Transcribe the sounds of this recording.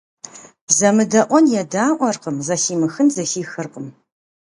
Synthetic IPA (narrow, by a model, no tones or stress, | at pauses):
zɐmɨdɐʔʷɔnjɛdaːʔʷɔrqəmzɐxiːmɨxɨnzɐxiːxɨrqʼəm